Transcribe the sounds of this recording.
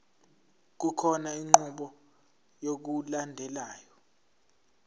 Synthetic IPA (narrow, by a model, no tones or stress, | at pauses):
k̬ukʰɔnaiŋ͡ǃuɓɔ | jok̬ulandʱɛlaːjɔ